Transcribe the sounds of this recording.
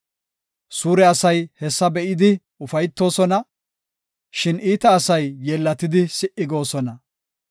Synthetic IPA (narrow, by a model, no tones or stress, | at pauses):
suːɾɛɐsɐjhɛsːɐbɛʔɪd̪ɪ | ʊfɐjt̪ːo̞ːsɔnɐ | ʃɪnʔiːt̪ɐːsɐjːɛlːɐt̪ɪd̪ɪsɪʔɪɡo̞ːsɔnɐ